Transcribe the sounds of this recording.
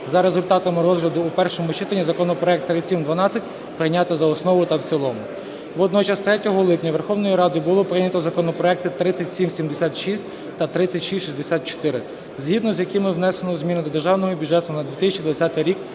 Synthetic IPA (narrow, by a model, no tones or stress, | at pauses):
zɐɾe̞zʊlʲt̪ɑt̪ɐmɪɾɔzɦlʲɐd̪ʊːpɛrʃɔmʊt͡ʃɪt̪ɐnʲːizɐkɔnɔpɾɔɛk̚t̪ːɾɪsʲimd̪ʋɐnɑt͡sʲɐtʲ | pɾɪjnʲat̪ɛzɐɔsnɔʋʊjt̪ɐwt͡sʲilˠɔmʊ | ʋɔd̪nɔt͡ʃɐst̪ɾɛtʲɔɦɔlˠɪpnʲɐʋerxɔwnɔjiɾɑd̪ɪbʊlˠɔpɾɪnʲɐt̪ɔzɐkɔnɔpɾɔɛk̚t̪ɪt̪ɾɪt͡sʲːɐtʲsʲimsʲimd̪esʲat̪ʃisʲtʲ | t̪ɐt̪ɾɪt͡sʲːɐtʲʃisʲʃisʲd̪esʲat̪̚t͡ʃɔ̥t̪ɪɾɪ | zʲɦid̪nɔzʲjɐkɪmɪwnɛsenɔzmʲinɪd̪ɔd̪erʒɑwnɔɦɔbʲʊdd͡ʒɛt̪ʊnɐd̪ʲʋʲit̪ɪsʲt͡ʃid̪ʋɐt͡sʲat̪ɪjɾʲik